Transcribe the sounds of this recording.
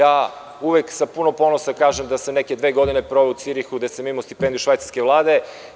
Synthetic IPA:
aː | uʋeksapunopo̞nosakaːʒemd̪asamnekʲed̪ʋeːɡo̞d̪ine̞pɾoʋeut̪siɾixuɡd̪esemimost̪i̥pend̪iuʃvʋajt̪aɾskeʋlˠaːd̪e̞

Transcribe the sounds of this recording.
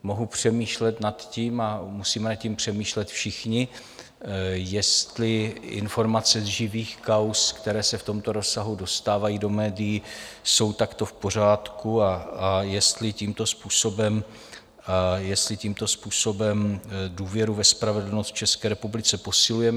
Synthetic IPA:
mo̞ɦupr̝̥ɛmiːʃlɛt̪nat̪ciːmamusiːmɛnat̪cimpr̝̥ɛmiːʃlɛt̪fʃɪxɲɪ | jɛst̪lɪʔɪ̰nfo̞ɾmat͡sɛzʒɪviːxkawskt̪ɛɾɛːsɛft̪o̞mt̪o̞ɾo̞sːaɦudo̞st̪aːvajiːdo̞mɛːdɪjiso̞wt̪akt̪o̞fpo̞r̝aːt̪kuaajɛst̪lɪciːmt̪o̞spuːso̞bɛm | ajɛst̪lɪciːmt̪o̞spuːso̞bɛmduːvjɛɾuvɛspɾavɛdl̩nost̪t͡ʃɛskɛːɾɛpublɪt͡sɛpo̞sɪlujɛm

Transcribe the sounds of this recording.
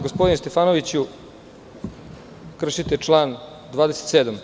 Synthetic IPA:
ɡospod̪inest̪efaːno̞ʋit͡ɕu | kr̩ʃit̪et͡ʂlˠaːn | d̪vʋaːd̪ese̥t̪seːd̪am

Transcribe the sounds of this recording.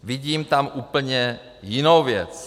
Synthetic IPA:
vɪɟiːmt̪amʔuːpl̩ɲɛ | jɪnowvjɛt͡s

